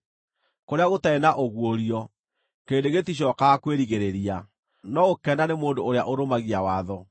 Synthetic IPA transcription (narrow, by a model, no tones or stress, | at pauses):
koɾeaɣotaenaʔoɣwoɾiɔ | keːndeɣetiɕ̬ɔːkakweɾiɣeɾeɾia | nɔɣokɛnanemoːndoːɾeaʔoɾomaɣiawaðɔ